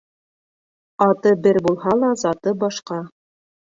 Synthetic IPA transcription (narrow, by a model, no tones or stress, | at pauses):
ɑt̪ɤbɘɾbulˠɦɑlˠɑzɑt̪ɤbɑʃqɑ